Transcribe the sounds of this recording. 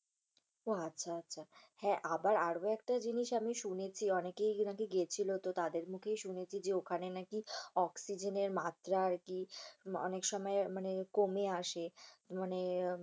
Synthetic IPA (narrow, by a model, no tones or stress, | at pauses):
oatːɕʰaatːɕʰahɛ̃ʔabaɾaɽoɛkʈad͡ʑiniʃamiʃunet͡ɕʰiɔnekejnakeɡet͡ɕʰilot̪ot̪ad̪eɾmukʰejʃunet͡ɕʰid͡ʑeokʰanenakiɔksid͡ʑeneɾmat̪ɾaaɾkiɔ̰nekʃɔmɔemanekomeaʃemane